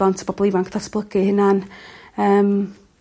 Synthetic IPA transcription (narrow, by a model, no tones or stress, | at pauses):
antʰə̥bɔbɔlˠivankʰθasb̥lˠəɡɨhɪnanəːm